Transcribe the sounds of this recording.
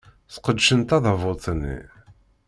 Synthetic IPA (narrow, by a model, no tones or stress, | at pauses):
θqəd̪ʃənt̪ɑðəvʊt͡sˤnːḭ